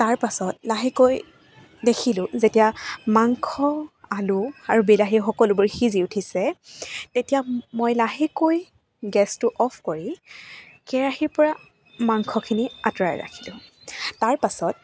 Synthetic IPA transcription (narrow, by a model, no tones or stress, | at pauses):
taɹpasɔtlaɦikoj | dekʰilʊ̃zetijamaŋkʰɔalʊaɹubilaɦixɔkɔlʊbʊɹxiziutʰisɛtetijamojlaɦikoj | ɡɛstʊʔɔpʰkɔɹi | kɛɹaɦiɹpɔɹa | maŋkʰɔkʰiniatɔɹa̰jɹa̰kʰilʊ̃ːaɹpasɔt̚